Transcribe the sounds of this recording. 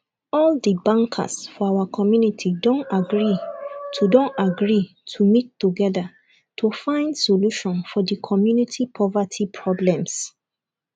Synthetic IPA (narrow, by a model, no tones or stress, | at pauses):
ɔldəbãŋkʰa̰sfɔawakʰɔmjunitʰidõntaɡɹitʰudõntaɡɹi | tʰumitːuɡɛða | tʰufãɪ̃ndsoluʃɔ̃nfɔdəkʰɔmjunitʰipʰɔvatʰipʰɹɔblɛ̃ms